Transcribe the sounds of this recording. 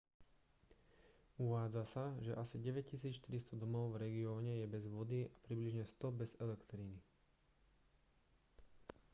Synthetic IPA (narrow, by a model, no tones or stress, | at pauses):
uʋaːd͡zasaʒɛʔasiɟɛʋɛc̚cisiːt͡sʃt̪iɾist̪ɔd̪ɔmɔʊvɾɛɡiɔːɲɛjɛbɛzʋʊɔd̪iapɾibliʒɲɛst̪ɔbɛzɛlɛkt̪ɾini